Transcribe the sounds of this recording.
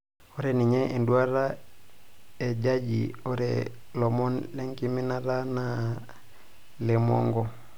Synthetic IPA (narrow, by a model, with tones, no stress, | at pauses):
o˦ɾɛni˨ɲɛ˦ʔe˨ndu˦a˦ɾa˦ | e˨d͡ʒa˦d͡ʒḭ˨o˦ɾɛ̰ | lɔ˨mɔ˦nle˦ŋki˦mi˦na˦ɾa˦na | lɛ˨mɔ̰˦ŋɡɔ˦